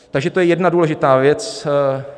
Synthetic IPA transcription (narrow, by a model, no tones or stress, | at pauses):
t̪aɡʒɛt̪ojɛjɛdnaduːlɛʒɪt̪aːvjɛt͡s